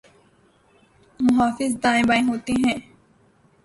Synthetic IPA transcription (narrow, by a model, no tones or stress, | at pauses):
mʊɦaːfɪzd̪ãːɪ̃baːĩɦoːt̪iɦɛ̃ː